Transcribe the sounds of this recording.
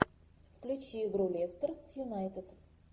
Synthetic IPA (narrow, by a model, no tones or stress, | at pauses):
fklʲut͡ʃiɡɾulʲest̪ərt̪sjunajt̪ɪd̪̥